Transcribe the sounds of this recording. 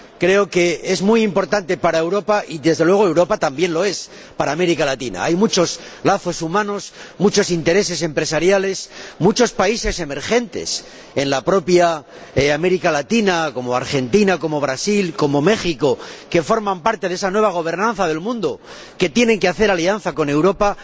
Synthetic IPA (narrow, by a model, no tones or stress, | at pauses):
kɾe̞o̞ke̞e̞zmujimpo̞ɾt̪ant̪e̞paɾaewɾo̞paʔiðe̞zðelweɣ̞oe̞wɾopat̪ambje̞nlo̞e̞s | paɾaːme̞ɾikalat̪ina̰ajmut͡ʃo̞zlaθo̞sumãno̞smut͡ʃo̞sint̪e̞ɾe̞s̬e̞s̬e̞mpɾe̞saɾjale̞smut͡ʃo̞spaise̞se̞me̞ɾxe̞nt̪e̞̰s | e̞nlapɾo̞pja | ame̞ɾikalat̪inako̞mo̞a̰ɾxe̞nt̪inako̞mo̞β̞ɾasilko̞mo̞me̞χiko̞ke̞fo̞ɾmãmpaɾt̪eðe̞sanwe̞β̞aɣ̞o̞β̞e̞ɾnãn̟θaðe̞lmũnd̪o | ke̞t̪je̞ne̞ŋkeaθe̞ɾalian̟θako̞ne̞wɾo̞pa